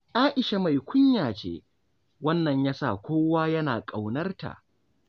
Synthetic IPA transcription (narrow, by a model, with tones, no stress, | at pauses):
ʔaː˦ʔɪ˨ʃa˨ma˨jkʷʊ˦ɲjaː˨t͡ʃḛː˦ | wɐ˦nːɐ˨ɲjaː˦sa̰˦˨kʷoː˦waː˦jɐ˦naː˨kʼa˨wnɐ˦rta̰˨ʔ